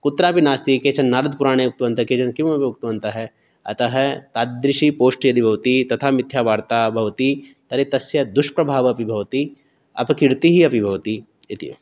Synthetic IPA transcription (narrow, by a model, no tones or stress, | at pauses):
kut̪ːɾaːpinaːst̪ikeːt͡ʃɐnːaːɾɐd̪ʱpuɾaːɽ̃eːuk̚t̪ʋɐnt̪ɐkeːt͡ʃɐnkiɐpiuk̚t̪ʋɐnt̪ɐɦɛ | ɐ̰t̪ɐɦɛt̪aːd̪ɾɪʃipoːʃʈiɐd̪ʱibʱɐʋt̪it̪ɐt̪ʰaːmɪt̪ʰjaːʋaːɾt̪aːbʱɐʋt̪it̪ɐɾet̪ɐsjɐd̪uʃpɾɐbʱaːʋɐɐpibʱɐʋɐt̪i | ɐ̰pɐkiɾt̪iɦiɐpibʱɐʋt̪i | it̪ḭ